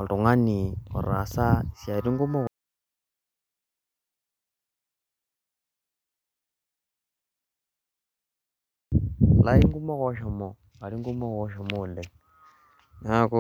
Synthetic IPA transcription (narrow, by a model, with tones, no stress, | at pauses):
ɔ˨tu˨ŋa˦ni˨ɔ̰˨ɾa̰˨sa˦˨si˨a˨ɾi˦ŋ˦ɡu˦mɔ˦ | la˦i˦ŋɡu˦mɔ˦kɔ˦ʃɔ˨mɔ˨ | a˨ɾi˦ŋɡu˦mɔ˦kɔ˦ʃɔ˨mɔ˦˨lɛ˨ | na˦kɔ˦